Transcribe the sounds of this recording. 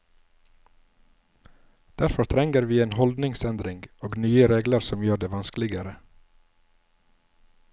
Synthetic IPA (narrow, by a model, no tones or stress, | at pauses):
d̪̥æɾfɔɾt̪ʰɾɛŋɡəɾʋiːeːnhɔld̪nɪŋsɛnd̪ɾɪŋɡoːɡnyːəɾeːɡləɾsɔmjøːɖeːʋɑnsklɪɡəɾə